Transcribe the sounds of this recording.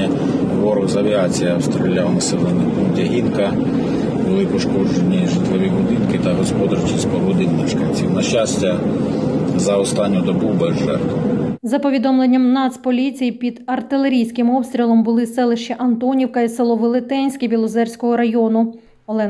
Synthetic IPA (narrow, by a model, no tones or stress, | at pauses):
ɐ | ʋɔɾɔzɐʋʲiɑt͡sʲijɐɐwst̪ɾelʲːawɐnɐsɛlˠɛnɪpundʲɐɦʲinkɐ | bʊlˠɪpɔʃkɔd͡ʒenʲːiʒɪt̪ʋɐʋʲibʊd̪ɪnkɪt̪ɐɦɔspɔd̪ɐɾt͡ʃispɔɦɔd̪ɪnmɛʃkɐnʲt͡sʲiwnɐʃt͡ʃasʲtʲɐ | zɐɔst̪ɑnʲːʊd̪ɔbubɛzʒɛ̰rt̪zɐpɔʋʲid̪ɔmlˠenʲːɐmnɑt̪spɔlʲit͡sʲijipʲid̪ɐrt̪ɪlˠeɾʲijsʲkɪmɔpst̪ʲɾʲilˠɔmbʊlˠɪsɛlˠɪʃt͡ʃɛʔɐnt̪ɔnʲiwkɐisɪlˠɔʋɪlˠɪt̪ɛnʲsʲkʲibʲilˠɔzɛrʲsʲkɔɦɔɾɐjɔnʊ | ɔlˠɛ